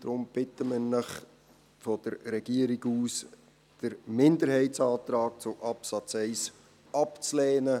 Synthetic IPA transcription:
d̪̥ɾʊmb̥ɪtəmɪnɪχ | fɔd̥əɾɾɛɡ̥iəɾiɡuːs | d̥əɾmɪndəɾhɛɪtsɑːt̪ɾɑːk̚t͡sʊʔɑpsɑt͡sɛɪs | ɑpt͡slɛːnə

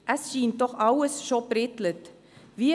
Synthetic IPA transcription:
ʔɛsʃiːndɔχʔawəsʃoprɛtlət | viː

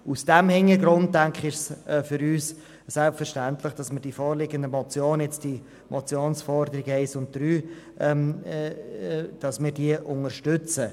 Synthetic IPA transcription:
usd̥ɛmhɪŋəɡɾʊntdæŋkχɪʃsɛfʏɾyːs | sɛlpfɛɾʃtænt̪ləχd̥ɑsməɾd̥ifɔːɾlɪɡəndəmɔt͡sjoːnjɛt͡sd̥i | mʔɔt͡sjoːnsfɔɾdəɾɪɡəɛɪsʊnt̚d̥ɾyː | ɛm | d̥ɑsmɪːɾdiəʔʊŋəɾʃtʏt͡sə

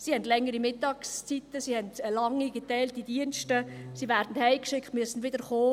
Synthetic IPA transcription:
sihɛndlɛŋːəɾimɪtɑːkst͡sitəsihɛndlɑŋːiɡetɛɪltidiənstəsivæːɾdn̩hɛɪkʃɪkχtmyəsn̩ʋɪdəɾχoː

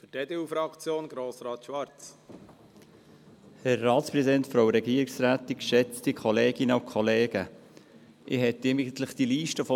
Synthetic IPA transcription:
fydeːdeːufɾɑkt͡sjoːnɡ̥ɾoːsɾɑːt̪ʃʋɑɾt͡s | hæɾːɑːtspɾɛzidɛntfɾoʊɾɛɡiːəɾiksræːt̪ikʃɛt͡stikʰɔleːɡɪnəɑkʰɔleːɡə | ʔɪhɛt̪ːɪmɪɡt̪ləχd̥iliːʃtəfɔ

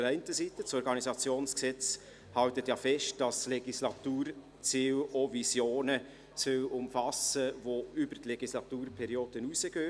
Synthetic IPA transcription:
əɾæɪntəsitəsɔɾɡɑnisɑt͡sjoːnsksɛt͡s | hɑltətjɑːfɛʃt̚d̥ɑsleɡislɑtuːɾ | t͡siːlovisjoːnə | sʏlʊmfɑsəvoybətleɡislɑtuːɾpʰɛɾioːd̥ənuːsəɡ̥øː

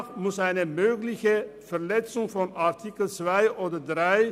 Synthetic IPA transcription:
χmʊsæɪnəmøːɡlɪçəfɛɹlɛt͡sʊŋfɔnaʁtʰikəl̩t͡svaɪʔoːdədʁaɪ

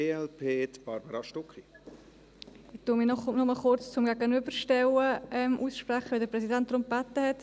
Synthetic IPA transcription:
eːɛlpʰeːt̪b̥ɑɾbəɾɑʃtʊkχi | ɪtuːmiːnɔχnɔməlχʊɾt͡st͡sʊmɡæːɡənʏbəɾʃtɛwəʔɛmʔuːsʃprɛχəʋɪldəɾpɾɛsidɛnt̚dɾʊmpɛtːəhɛt

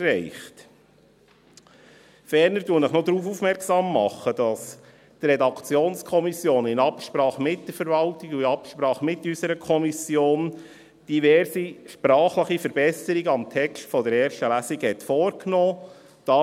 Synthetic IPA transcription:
ɛɪχt | fɛɾnəɾduənəχnod̪ɾuːfufmɛɾksɑmːɑχːəd̥ɑs | t̪rɛdɑkt͡sjoːnskʰɔmisjoːnɪnɑpʃpɾɑːχəmɪt̚d̥əɾfəɾvɑltɪɡuɪɑpʃpɾɑːχəmɪtːysəɾəkʰɔmisjoːn | d̥ivɛɾsiʃpɾɑːχləχifəɾbɛsəɾiɡəɑmtʰɛkstfɔdəɾɛːɾʃtəlæsiɡhɛt̪fɔːɾknɔː | d̪̥ɑː

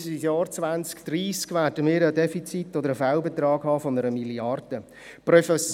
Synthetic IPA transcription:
sijɑːɾt͡sʋant͡skd̥̪riːskʋæːdəmɪːɾədɛfit͡sit̪ːodəɾəfaʊbet̪ɾɑːɡhɑːfɔnəɾəmiliɑrd̥ə | prɔfɛs

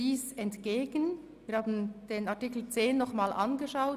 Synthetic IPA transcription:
iːsɛntɡ̥eːɡən | viːɾhaːbn̩d̥eːnaɐtiːkl̩t͡seːnːɔχmaːlʔanɡəʃaʊ

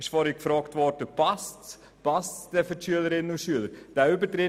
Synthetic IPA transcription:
ɪʃfɔɾikfɾɔːktvɔɾd̥əpɑst | pɑstd̥ɛfətʃyələɾɪnuʃyələɾd̥æːʏbətɾɪt

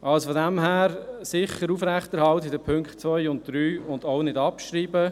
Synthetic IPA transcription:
ʔɑlsfodɛmhæːɾsɪχəɾuːfɾæχtɛɾhɑltɪdəpʰʏŋkχtt͡svœjʊnt̚d̥ɾyːʊndoʊnɪdɑpʃɾiːbə

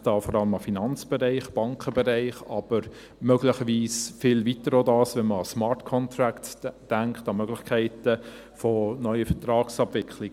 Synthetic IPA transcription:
d̥ɑːfɔɾɑləmɑfinɑnt͡sb̥ɛɾæɪχb̥ɑŋkʰχəbɛɾæɪχɑb̥əɾ | møɡlɪχəviːsfɪlvitəɾodɑːsʋɛnməɑsmɑtkʰɔnt̪ɾæktd̥æŋkχtɑmœɡ̥lɪχkʰæɪtə | fɔnœʏəfətɾɑːksɑbvɪkʰlɪɡ

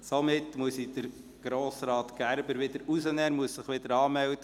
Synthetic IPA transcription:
somɪtmuəsid̥əɾ | ɡ̥ɾoːsɾɑːtɡ̥æɾbəɾʋɪdəɾusənɛːnmuəsːɪχʋɪd̥əɾɑːmɛltə

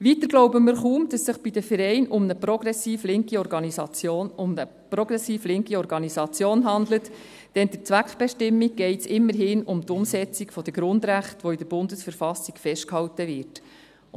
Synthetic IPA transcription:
ʋit̪əɾɡ̥loʊbəmɪɾχuːmd̥ɑsːɪχb̥id̥əfəɾɛɪnʊmnəpɾɔɡ̥ɾɛsiːflɪŋkiɔɾɡɑnisɑjoːnʊmnə | prɔɡ̥ɾɛsiːflɪŋkiɔɾɡɑnisɑt͡sjoːnɦɑnd̪lət | d̥ɛnd̥əɾt͡sʋækχb̥ɛʃtɪmːiɡ̚ɡɛɪtsɪmːəɾɦɪːnʊmtʊmsɛt͡sikfɔd̥̪əɡɾʊnd̪ɾæχtʋɔid̥əɾb̥ʊndəsfəɾfɑsikfɛʃtkhɑwtəʋɪɾt

